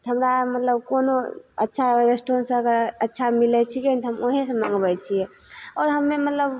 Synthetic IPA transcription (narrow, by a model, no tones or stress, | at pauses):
t̪ɦəmɾamət̪ləbkonoətːʃʰaɾesʈɾonsə̃əkəɾətːt͡ʃʰamilɛt͡ʃʰikent̪ɦəmoɦesə̃maŋɡbɛjt͡ʃʰijɛɔːɾɦəmːemət̪ləb